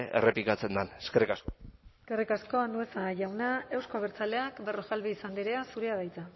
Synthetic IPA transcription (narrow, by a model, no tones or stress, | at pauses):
ḛreplikat͡se̞nd̪aneskerikaskoskerikasko̞and̪ue̞saʝawnae̞wskoβ̞eɾt͡sale̞akbe̞ro̞ʝalβiːsand̪iɾe̞asuɾeaðajt͡s̪a